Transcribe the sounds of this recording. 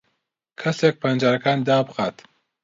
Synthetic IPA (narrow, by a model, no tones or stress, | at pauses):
kʰɐsek̚pʰɐnd͡ʒaːɾɐkaːnd̪aːbɨxat̪